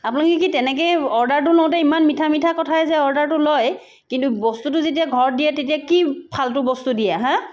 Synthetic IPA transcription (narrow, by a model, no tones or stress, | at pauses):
apʊnakɛkitɛnɛkɔjɔɹdaɹtʊlɔ̃w̃t̬ɛimanmitʰamitʰakɔtʰaɛzɛɔɹdaɹtʊloj | kintubɔstutʊzet̬iaɡʱɔɹdijɛtetiakipʰaltʊbɔstudijaɦã